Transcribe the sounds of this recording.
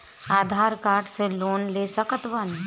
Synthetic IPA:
aːd̪ʱaːɾkaːɾʈseloːnlesəkət̪ʋən

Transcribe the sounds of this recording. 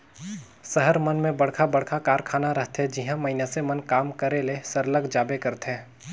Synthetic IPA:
səɦəɾmɐnmẽbɐɽ̤kʰabɐɽkʰakaːɾkʰaːnaɾɐɦt̪ɦɛd͡ʒɪɦãmɐɦinasemɐnkaːmkɐɾelesəɾləɡd͡ʒaːbekɐɾt̪ɦɛ̃ː

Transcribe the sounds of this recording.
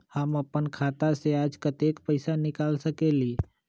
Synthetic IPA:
həməpənkʰaːt̪aseaːd͡ʒkət̪eːkpəɪsanɪkaːlsəkeliː

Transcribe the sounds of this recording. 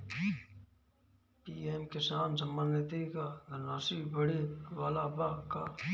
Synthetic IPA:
piːeːmkɪsaːnsɐmːənet̪ikad̪ənaːsibəɽiʋaːlaːbaːka̰ː

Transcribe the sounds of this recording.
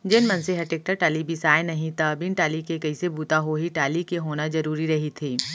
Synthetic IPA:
d͡ʒɪnmɐnseɦɐʈeːk̚ʈəɾʈaːlibʱisaːenɐɦĩt̪abɪ̃nʈaːlikekɐisebuːt̪aɦoɦiʈaːlikeɦoːnazɐɾuːɾiɾɐɦit̪ʰiː

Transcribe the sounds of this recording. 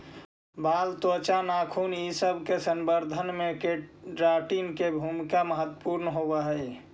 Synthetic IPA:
baːlt̪ːt͡ʃanaːkʰuːnisəbʱkesəmbəɾd̪ʱənmẽkeʈɾaːʈiːnkebʱumkaməɦət̪ːəpuɾnɦobaɦəi

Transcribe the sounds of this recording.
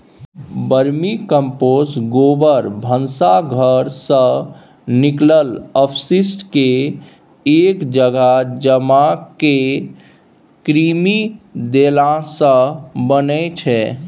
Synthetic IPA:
bəɾmikəmposɡobəɾbʱənsaɡʱəɾsə̃ | niklələpʰsisʈke | ekd͡ʒəɡad͡ʒəmake | kɾimid̪elãsə̃bənɛt͡ʃʰɛ

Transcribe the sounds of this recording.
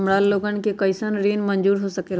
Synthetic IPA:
mɾaːlːoːɡən̆kʰekɐɪsənɾiːnmɐ̃ɲd͡ʒuːɾɦosɐkeːl

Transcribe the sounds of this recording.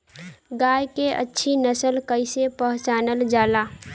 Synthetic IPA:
ɡaːjkeʔə̰tːʃʰinəsəlkəɪsepəɦʊt͡ʃaːnəld͡ʒaːlaː

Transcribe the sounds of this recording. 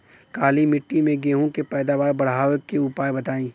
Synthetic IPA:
kaːlimɪʈːimẽɡeːɦõkepɛːd̪aːʋaːɾbɐɽ̤ɦaːʋəkːeʊpaːjbɐt̪aːĩː

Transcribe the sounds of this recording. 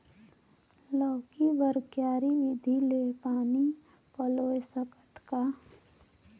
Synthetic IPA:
lɔːkibəɾkjaːɾiʋɪd̪ʱilepaːni | pəloːjsəkət̪ka

